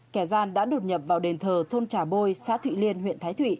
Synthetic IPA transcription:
kɛ˧˩zaː˧nɗa̰ː˧˥ɗo˨˩t̚ɲə˨˩p̚vaː˨˩wɗe˨˩nt̪ʰəː˨˩t̪ʰo˧nt͡ɕaː˨˩ɓo˧jsa̰ː˧˥t̪wḭ˧˨li˧ənɦwḭ˧˨nt̪ʰaː˨˦jt̪ʰwḭ˧˨ʔ

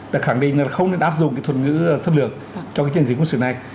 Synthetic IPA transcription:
ɗa̰˨˩xaː˧˩ŋɗḭ˧˨ŋ̟laː˨˩xə˧wŋ͡mne˧nʔaː˦˥p̚zʊ̰˧˨ŋ͡mkaː˨˦jt̪ʰwə˨˩t̚ŋɨ̰˧˥˧sə˧mlɨ˨˩ək̚ | t͡ɕɔ˧kːaː˨˦jt͡ɕi˨˧˩zkwnsɨ̰˧˨na˨˩j

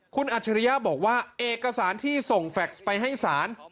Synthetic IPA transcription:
kʰu˧nʔaː˨˩t̚t͡ɕʰa˧ɾi˧jaː˥˩bɔː˨˩k̚waː˥˩ʔeː˨˩kːa˧saː˩˦nt̪ʰiː˥˩so˨˩ŋfɛ˨˩k̚spa˧jɦa˥˩jsaː˩˦n

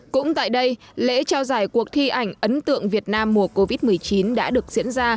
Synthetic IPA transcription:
kʊ̰˧˥ŋ͡mt̪a̰ː˧˨jɗə˧j | lḛ˧˥t͡ɕaː˧wzaː˧˩jku˨˩ək̚t̪ʰi˧ʔa˨˩jŋ̟ʔə˨˦nt̪ɨ̰˧˨əŋvi˨˩ət̚naː˧mːu˨˧˩əko˧vi˦˥t̚mɨ˨˩əjt͡ɕi˨˦nɗa̰ː˧˥ɗɨ˨˩ək̚zḭ˧˥ənzaː˧

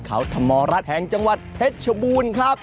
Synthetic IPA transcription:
kʰa̰˦˥wt̪ʰa˧mːɔː˧ɾa˦˥t̪̚hɛ˨˩ŋt͡ɕa˧ŋwa˨˩t̪̚he˦˥t̪̚t͡ɕʰa˧buː˧nkʰɾa˦˥˩p̚

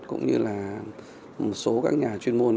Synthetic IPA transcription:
kʊ̰˧˥ŋ͡mɲɨ̰˧laː˨˩ | mo˨˩t̚so˨˦kaː˦˥k̚ɲaː˨˩t͡ɕwi˧ənmo˧ən

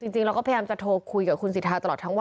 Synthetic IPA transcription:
t͡ɕi˧ŋt͡ɕi˧ŋɾa˧kɔː˥˩pʰːjaː˧t͡ɕa˨˩t̪ʰoː˧kʰu˧jkaː˨˩kʰu˧nsiː˨˩t̪ʰaː˧t̪a˧lɔː˨˩t̪ʰa˦˥wa˧

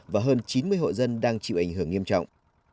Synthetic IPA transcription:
vaː˨˩ɦəː˧nt͡ɕi˨˦nmɨ˧əjho̰˧˨jzə˧nɗaː˧ŋt͡ɕḭ˧˨wʔa˧˩jŋ̟ɦɨ˧˩əŋi˧əmt͡ɕɔ̰˧˨wŋ͡mʔ

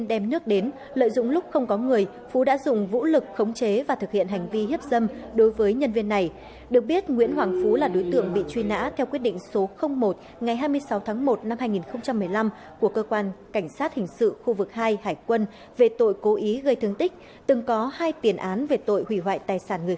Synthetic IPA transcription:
nɗɛ˧mnɨ˦˥ək̚ɗe˨˦n | lə̰ː˧˨jzʊ̰˧˨ŋ͡mlʊ˦˥k͡p̚xə˧wŋ͡mkɔ˨˦ŋɨ˨˩əj | fu˨˦ɗa̰ː˧˥zʊ̰˧˨ŋ͡mvṵ˧˥lɨ˨˩k̚xə˨˦wŋ͡mt͡ɕe˨˦vaː˨˩t̪ʰɨ˨˩k̚hḭ˧˨ənɦa˨˩jŋ̟vi˧hi˦˥əp̚zə˧mɗo˨˦jvəː˨˦jɲə˧nvi˧ənːa˨˩j | ɗɨ˨˩ək̚ɓi˦˥ət̚ŋwḭ˧˥ənhwaː˨˩ŋfu˨˦laː˨˩ɗo˨˦jt̪ɨ̰˧˨əŋɓḭ˧˨t͡ɕwi˧na̰ː˧˥t̪ʰɛ˧wkwt̚ɗḭ˧˨ŋ̟so˨˦xə˧wŋ͡mmo˨˩t̚ | ŋa˨˩jɦaː˧jmɨ˧əjsa˨˦wt̪ʰaː˨˦ŋmo˨˩t̚na˧mhaː˧jŋi˨˩nxə˧wŋ͡mt͡ɕa˧mːɨ˨˩əjla˧m | ku˧˩əkəː˧kwaː˧nka˧˩jŋ̟saː˦˥t̚hï˨˩ŋ̟sɨ̰˧˨xu˧vɨ˨˩k̚haː˧jhaː˧˩jkwə˧n | ve˨˩t̪o̰˧˨jko˨˦ʔi˨˦ɣə˧jt̪ʰɨ˧əŋt̪ï˦˥k̟̚ | t̪ɨ˨˩ŋkɔ˨˦haː˧jt̪i˨˩ənʔaː˨˦nve˨˩t̪o̰˧˨jhwi˧˩wa̰ː˧˨jt̪aː˨˩jsaː˧˩nŋɨ˨˩ə˩

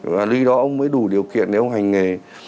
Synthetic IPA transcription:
vaː˨˩lwi˧ɗɔ˨˦ʔə˧wŋ͡mməː˨˦jɗu˧˩ɗi˨˩əwkḭ˧˨ənɗe˨˩ʔə˧wŋ͡mɦa˨˩jŋ̟ŋe˨˩

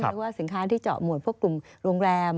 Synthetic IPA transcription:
k̚waː˥˩si˨˩˦nkʰaː˦˥t̪ʰiː˥˩t͡ɕɔ̰˨˩t̚mu˨˩ət̚pʰu˥˩ə˩klu˨˩mɾoː˧ŋɾɛː˧m

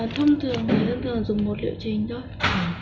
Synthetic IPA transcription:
t̪ʰə˧wŋ͡mt̪ʰɨ˨˩əŋmaː˨˩t̪ə˧nt̪ʰɨ˨˩ə˩ŋzʊ˨˩ŋ͡mmo˨˩t̚lḭ˧˨əwt͡ɕï˨˩ŋ̟t̪ʰo˧j

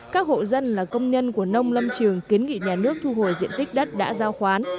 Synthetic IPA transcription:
kaː˦˥k̚ho̰˧˨zə˧nlaː˨˩kə˧wŋ͡mɲə˧nku˧˩ənə˧wŋ͡mlə˧mt͡ɕɨ˨˩əŋki˨˦ənŋḭ˧˨ɲaː˨˩nɨ˦˥ək̚t̪ʰu˧ɦo˧˩jzḭ˧˨ənt̪ï˦˥k̟̚ɗə˦˥t̚ɗa̰ː˧˥zaː˧wxwaː˨˦n

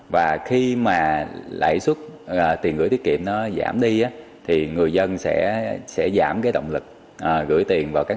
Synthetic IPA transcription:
vaː˨˩xi˧maː˨˩la̰ː˧˨jswə˦˥t̚əː˨˩t̪i˨˩nɣɨ̰˧˥t̪ʰi˦˥kḭ˧˨əmnɔ˨˦za̰ː˧˩mɗi˧ʔaː˨˦ | t̪ʰi˨˩ŋɨ˨˩əjzə˧nsɛ̰˧˥sɛ̰˧˥zaː˧˩mkaː˨˦jɗə̰˧˨wŋ͡mlɨ˨˩k̚ | ʔəː˨˩ɣɨ̰˧˥əjt̪i˨˩ənvaː˨˩wkaː˦˥k

